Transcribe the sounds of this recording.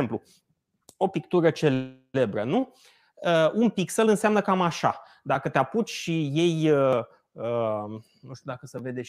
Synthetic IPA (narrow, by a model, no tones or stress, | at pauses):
emplu | o̞pikt̪uɾət͡ʃe̞l | e̞bɾənu | əunpiksəlɨnseamnəkamaʃa̰ | d̪akət̪eaput͡ʃʃije̞jə | ə | nuʃt̪jud̪akəsəve̞d̪e